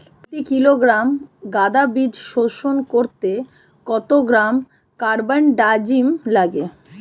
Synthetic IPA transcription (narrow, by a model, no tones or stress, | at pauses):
ʈikiloɡɾamɡad̪abid͡ʑʃoʃonkoɾt̪e | kɔt̪oɡɾam | kaɾbanɖad͡ʑimlaɡe